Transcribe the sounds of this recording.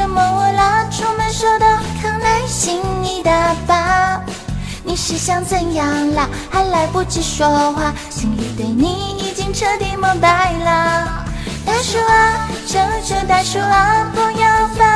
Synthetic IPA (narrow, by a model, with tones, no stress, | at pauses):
ə˧˩mə˧˩wə˧lə˧˩ʈ͡ʂʰu˥mə˧nʂɔ˥d̪ə˧˩kʰə˨˧˩ŋna˧˥nɕi˧˥ŋni˨˩d̪ə˧pa˧ | ni˨˩ʂɻ̩˧˥ɕjɑ˥˧ŋt͡sə˥˩njɑ˧ŋlə˧ | ha˧˥nla˧˥ɪpu˧˩t͡ɕi˧˩ʂwɔ˧˥xwa˥˩ | ɕi˨˧ŋli˧˩t̪e˨˩ɪni˨˩˦i˨˩t͡ɕi˥ŋʈ͡ʂʰɤ˥˧t̪i˧mə˧˥ŋpa˧˥ɪlə˧ | t̪a˥˧ʂu˧˥a˧ | ʈ͡ʂə˧˥ʈ͡ʂə˧˥t̪a˧ʂu˥a˧pu˧ja˥˧ʊfa˧˦